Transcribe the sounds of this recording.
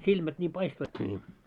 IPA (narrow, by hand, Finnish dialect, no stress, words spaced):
silmæt nʲiːm pɑistoitki nʲiː